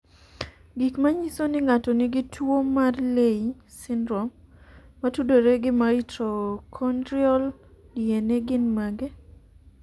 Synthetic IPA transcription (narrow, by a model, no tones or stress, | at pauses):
ɡikmaɲisonɪŋatɔnɪɡɪtwomarlei | sɪndɾɔmːatudoɾeɡɪmaɾɪtɾɔkʰɔndɾiɔl | dieneɡɪnmaɡe